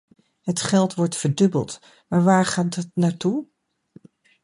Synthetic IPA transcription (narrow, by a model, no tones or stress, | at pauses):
ɦətχɛlˠtʋɔɹtfəɹdɵbə̰lˠt | maːɹʋaːɹχaːddɑtnaːɹtu